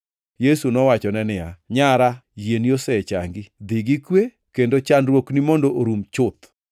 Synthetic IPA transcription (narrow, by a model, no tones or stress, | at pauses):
jesunɔwat͡ʃɔnɛnɪja̰ɲaɾajeniosɛt͡ʃa̰ŋɡid̪iɡikwe | kendot͡ʃanɾwoknimondoʔoɾumt͡ʃʊt̪